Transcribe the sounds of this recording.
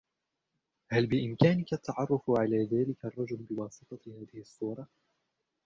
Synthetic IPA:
halbɪʔɪmkaːnɪkat̪ʰːɑʕɑrˤːʊfʕalaːðaːlɪkarˤːɑd͡ʒʊlbɪwɑːsɨt̪ˤɑhaːðɪhsˤːuːɾˤɑ

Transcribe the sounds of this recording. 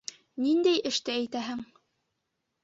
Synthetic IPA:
nind̪æjɘ̆ʃt̪ɘæjt̪æɦɘŋ

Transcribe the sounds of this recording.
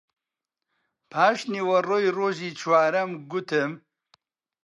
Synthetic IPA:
pʰaːʃniwɐroːjroːʒiːt͡ʃʰwaːɾɐmɡʊt̪ɨm

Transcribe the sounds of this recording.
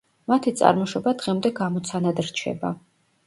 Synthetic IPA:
mat̪ʰit̪sʼa̰ɾmɔʃɔbad̪̥ʁɛmd̪ɛɡamɔt̪sʰanad̪ɾt͡ʃʰɛ̰ba

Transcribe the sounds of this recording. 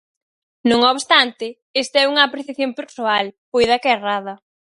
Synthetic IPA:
nõŋoβst̪ant̪ɪ | est̪aɛuŋɐːpɾeθjaθjompeɾsoalpojðɐkɛraðɐ

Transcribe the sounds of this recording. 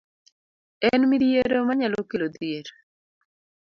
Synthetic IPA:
ɛnmidieɾomaɲalokelod̪jeɾ

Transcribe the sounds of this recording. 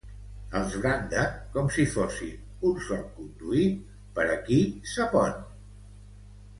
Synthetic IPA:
əlˠzβɾand̪əkɔmsifosḭ | unsɔlˠkund̪uit̪̚ | pəɾəkisəpɔn

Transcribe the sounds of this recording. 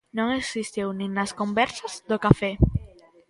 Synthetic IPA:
nõŋeksist̪iwnĩŋnaskombɛɾsazðokafɛ

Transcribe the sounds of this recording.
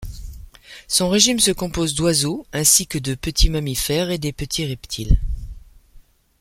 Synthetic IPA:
sɔ̃ʁeʒimsəkɔ̃pozd̪wazoɛ̃sikəd̪əpət̪ʰimamifɛʁed̪epət̪ʰiʁɛpt̪ʰil

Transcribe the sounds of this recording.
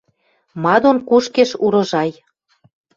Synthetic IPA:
mɑd̪onkuʃkeʃuɾɤ̆ʒɑj

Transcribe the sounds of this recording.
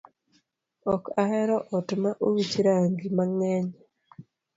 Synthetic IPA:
ɔkahɛɾɔʔɔtmaʔowit͡ʃɾaŋɡimaŋɛɲ

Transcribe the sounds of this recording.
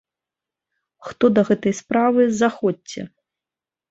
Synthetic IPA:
xt̪ɔd̪ɐɣɛt̪ɐjspɾavɨzaxɔːɛ̰

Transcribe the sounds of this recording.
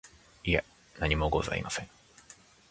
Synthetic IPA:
ie | naɲ̟imo̞ɡo̞̰za̰ḭmasẽ̞ŋ

